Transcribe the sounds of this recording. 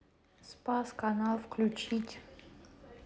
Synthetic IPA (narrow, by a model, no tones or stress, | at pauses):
spaskanalˠfklʲʉt͡ɕitʲ